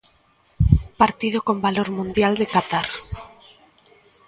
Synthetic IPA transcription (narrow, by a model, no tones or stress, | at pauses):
paɾt̪iðokombaloɾmũnd̪jald̪ekat̪aɾ